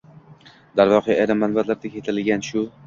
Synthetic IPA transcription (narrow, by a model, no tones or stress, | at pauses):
d̪aɾvɒqʰɨjajɾamːanbat̪laɾd̪akʲʰet̪ʰɪlɡʲanʃʊ